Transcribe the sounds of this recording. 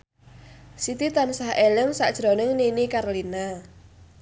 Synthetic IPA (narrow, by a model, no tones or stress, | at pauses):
sit̪it̪ansahʔelɪŋsa̰ʔd̥ʒ̥ɾonɪŋninikarlina